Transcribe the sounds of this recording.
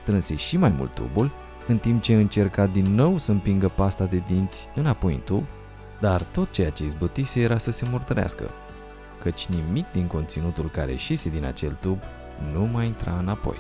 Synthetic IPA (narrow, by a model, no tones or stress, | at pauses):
st̪ɾɨnse̞ʃimajmṵlt̪ːṵbulʲ | ɨnt̪imp̚t͡ʃe̞ɨnt͡ʃe̞rkad̪inːo̞wsəɨmpiŋɡəpast̪ad̪e̞d̪int̪sʲɨnapo̞jɨ̰nt̪ub | d̪art̪o̞t̪̚t͡ʃe̞jat͡ʃe̞izbot̪isejeɾasəse̞mort̪əɾa̰skə̰ | kət͡ʃʲnimik̚d̪iŋko̞nt̪sinut̪ulkaɾe̞̰ʃise̞d̪ina̰t͡ʃe̞̰lt̪ub | numajint̪ɾa̰ɨnapo̞̰j